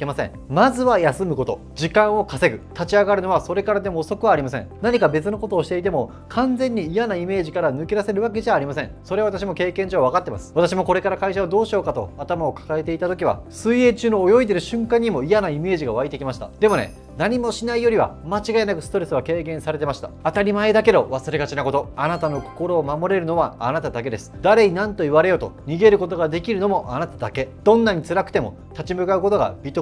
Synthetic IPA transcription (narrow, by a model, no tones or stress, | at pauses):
kemasḛ̃ŋ | mazɨβajasɨmɯ̟ko̞t̪o̞̰ | d͡ʑikãɰ̃o̞kase̞ɡɯ̟t̪at͡ɕiaɡaɾɯ̟no̞β̞aso̞ɾe̞kaɾad̪e̞mo̞ːso̞kɯ̟βaːɾʲimasẽnaɲ̟ikabe̞t͡sɨno̞ko̞t̪oːɕi̥t̪e̞it̪̬e̞mo̞ | kʰãnd͡zẽ̞ɲ̟ːiːjanaime̞ːʑikaɾanɯ̟keɾase̞ɾɯ̟βak̬e̞ʑaːɾʲimasẽ̞so̞ɾeaβat̪aɕ̬imo̞ke̞ːkẽ̞ɲd͡ʑo̞ːβakat̪ːe̞ma̰sɨ̥βat̪aɕimo̞ko̞ɾe̞kaɾakaiɕaβad̪o̞ːɕo̞ːkat̪o̞̰at̪amao̞kḁkae̞t̪e̞it̪at̪o̞kʲiβa̰sɨie̞ːt͡ɕɨːno̞ːjo̞id̪e̞ɾɯ̟ɕɨ̃ŋkãɲ̟ːimo̞ijanaime̞ːʑiɡaβait̪e̞kʲimaɕi̥t̪a̰d̪̥e̞mo̞ne̞̰ | naɲ̟imo̞ɕinaijo̞ɾʲiβa̰mat͡ɕiɡaenakɯ̟sɨ̥t̪o̞ɾe̞sɨβake̞ːkẽ̞ɰ̃saɾe̞t̪e̞maɕi̥t̪a̰at̪aɾʲimae̞d̪ake̞d̪o̞βasɨɾe̞ɡat͡ɕinako̞t̪o̞anat̪ano̞ko̞̥ko̞ɾo̞ːmamo̞ɾe̞ɾɯ̟no̞βaanat̪ad̪ake̞d̪e̞sɨ̥d̪aɾe̞ɲinãnt̪o̞iβaɾe̞jo̞t̪o̞̰ɲ̟iɡe̞ɾɯ̟ko̞t̪o̞ɡad̪e̞kʲiɾɯ̟no̞mo̞ʔanat̪ad̪ake̞d̪̥õ̞nːaɲ̟it͡sɨɾakɯ̟̥t̪e̞mo̞̰ | t̪at͡ɕimɯ̟kaɯ̟ko̞t̪o̞ɡa̰bʲit̪o